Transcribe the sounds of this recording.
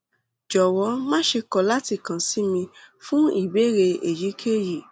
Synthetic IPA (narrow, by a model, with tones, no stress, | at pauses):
d͡ʒɔ˨wɔ˨˦mãː˦ʃe˧kɔ˦˨la˦ti˦˨kã˨si˨˦mĩ˧fũ˦i˦˨be˨˦ɾe˧e˨ji˨˦kʰe˦ji˨